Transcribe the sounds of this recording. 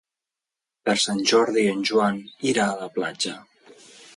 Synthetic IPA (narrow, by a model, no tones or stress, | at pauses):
pəɾsanʲʒɔɾðiənʲʒuaniɾaːləplad͡ʒə